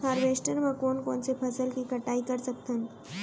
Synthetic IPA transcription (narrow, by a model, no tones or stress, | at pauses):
aːɾʋeːʃʈəɾmẽkoːnkoːnsepʰɐsəlkikɐʈaːikɐɾsɐk̚t̪ən